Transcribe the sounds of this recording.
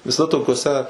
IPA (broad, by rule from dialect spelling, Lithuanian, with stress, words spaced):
ʋʲɪˈsɐ toːkʲoːˈsʲɛ